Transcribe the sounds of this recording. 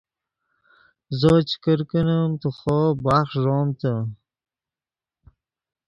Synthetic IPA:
zot͡ʃkəɾkənəmt̪əχobaχʒomt̪ə

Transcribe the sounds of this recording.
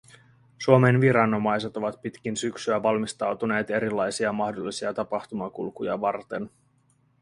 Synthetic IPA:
suome̞nʋiɾɑno̞mɑjse̞t̪o̞ʋɑt̪̚pit̪k̟insyksyæʋɑlmist̪ɑwt̪une̞ːt̪e̞ɾilːɑjsiɑmɑxdo̞lːisiɑt̪ɑpɑxt̪umɑkṵlkujɑ̰ʋɑrt̪e̞n

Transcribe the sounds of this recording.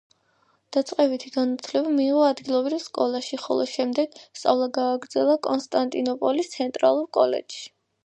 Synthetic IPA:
d̪̥at̪sʼqʼɛbit̪ʰiɡanut̪ʰlɛvamiːʁɔad̪ɡilˠɔvɾivskʼɔlˠaʃiχɔ̰lˠɔʃɛmd̪ɛɡ̥st̪sʼa̰vlˠaɡaːɡɾd̪zɛlˠakʼɔnst̪ʼant̪ʼinɔpʼɔlist̪sʰɛnt̪ʼɾa̰lˠuɾkʼɔlɛ̰d͡ʒʃi̥

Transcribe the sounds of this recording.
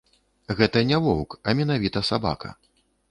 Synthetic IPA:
ɣɛt̪ɐnʲɛvɔwkɐmʲɛnavʲit̪ɐsaba̰kɐ̰

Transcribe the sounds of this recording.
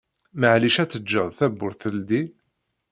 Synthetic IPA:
məʕliʃæt͡sːəd͡ʒːəðˤθæbːʊɾθəld̪i

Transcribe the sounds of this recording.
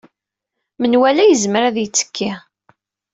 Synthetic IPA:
mənwælæjəzməɾæðjət͡sːə̥kːi

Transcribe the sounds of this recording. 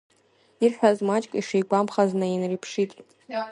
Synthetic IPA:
irħʷᶣazmat͡ʃʼkʼiʂejɡʷamχaznainripʰʂitʼ

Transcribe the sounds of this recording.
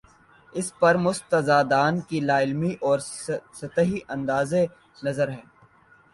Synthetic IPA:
ɪspɐɾmʊst̪əzaːd̪aːnkilaːɪlmiʔɔːɾsɐt̪əɦiʔɐ̃nd̪aːze | nɐzəɾɦɛː

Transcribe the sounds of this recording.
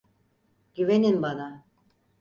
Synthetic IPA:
ɟ̥yveninbana

